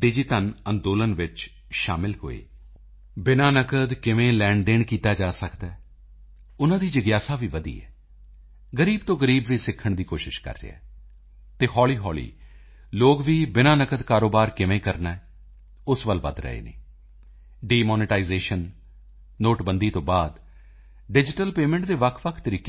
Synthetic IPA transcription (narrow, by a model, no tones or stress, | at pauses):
ɖɪd͡ʒɪtənənd̪oːlənʋɪt͡ʃ | ʃaːmɪlɦo̰ːḛː | bɪnãːnəkəd̪kɪʋẽːlɛ̃ːɳɖd̪eːɳkiːt̪aːd͡ʒaːsəkd̪aːɛː | ʊnãːd̪iːd͡ʒəɡjaːsaːʋiːʋəd̪ḭːɛ̰ː | ɡəɾiːbt̪õːɡəɾiːbʋiːsɪkʰːəɳd̪iːkoːʃɪʃkə̰ɾːḛa̰ː | t̪eːhɔːliːɦɔːlḭː | loːkʋiːbɪnãːnəkəd̪kaːɾoːbaːɾkɪʋẽːkəɾnaɛː | ʊsʋəlʋə̰d̪ɾə̰ḛːnḛː | ɖiːmɔːnɪʈaːizeːʃənː | oːʈbənd̪iːt̪õːbaːd̪ | ɖɪd͡ʒɪʈəlpeːmẽɳʈ̚d̪eːʋəkʰʋəkʰt̪əɾiːke